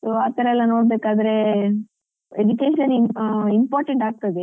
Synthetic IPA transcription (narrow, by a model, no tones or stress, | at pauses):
soːaːt̪ɐɾɐɛlːɐnoːɽbeːkaːd̪ɐɾe | ed͡ʒukeːʃɐnimpaːɾʈeɳʈaːɡ̚t̪ɐd̪e